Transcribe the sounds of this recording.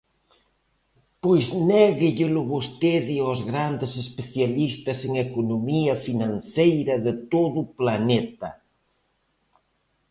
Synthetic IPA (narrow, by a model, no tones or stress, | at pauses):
pojznɛɣɪʎɪlʊβost̪eðɪozɣɾand̪ɪsespeθjalist̪ɐseŋekonomiɐfinãnθejɾɐðɪt̪oðʊplanɛt̪ɐ̰